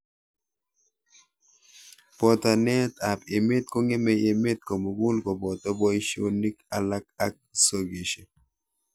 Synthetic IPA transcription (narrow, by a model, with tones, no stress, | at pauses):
pɔ˨t̪a˨nɛ˦t̪a˨pɪ˨mɪ˦t̪̚ko˦ŋe˦mɛ˦je˨mɪ˦t̪̚ko˨mo˨ɡu˦lkɔ˨bɔ˨t̪ɔ˦bɔ˦i˦ʃo˦ni˦ka˨la˦ka˦k̚so˨ɡe˨ʃe˨